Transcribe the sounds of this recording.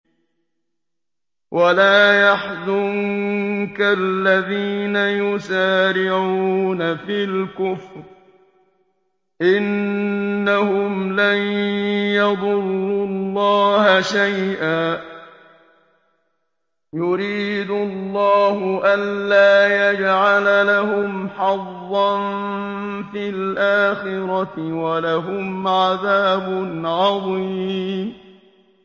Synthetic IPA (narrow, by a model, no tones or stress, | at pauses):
wʔalaːjaħzʊŋkalːaðiːnajʊsaːɾɪʕuuːnafiːlkʊfɾ | ʔɪnː | ahʊmlanjɑd̪ˤʊlːulːɑːhaʃajʔaː | jʊɾiːd̪ʊllːɑːɦʊʔanlaːjad͡ʒʕalalaɦʊmħɑðːɑn | filʔaːxɪɾɑwalaɦʊmʕaðaːbʊnʕɑðˤiː